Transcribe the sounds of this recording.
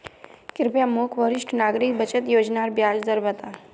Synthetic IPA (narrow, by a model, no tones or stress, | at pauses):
kɪɾpjamokʰʋəɾiʂʈʰnaːɡɾik̚bət͡ʃət̪joːd͡ʒnaɾbjaːd͡ʒd̪əɾʋət̪a